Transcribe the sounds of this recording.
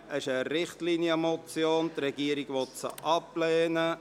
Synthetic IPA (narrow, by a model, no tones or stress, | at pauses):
əʃəɾɪχtliniəmɔt͡sjoːnt̪ɾɛɡiːəɾiɡ̥ʋɔt̪sə̰ʔɑplɛːnə